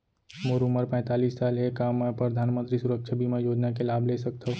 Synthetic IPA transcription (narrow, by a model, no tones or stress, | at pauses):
moːɾuməɾpɛ̃ːt̪aːliːsːaːlɦekaːmːẽpɾəd̪ʱaːnmə̃nt̪ɾisʊɾəkʃʰabʱimẽjoːd͡ʒnakelaːbʱlesək̚t̪ʰaɦ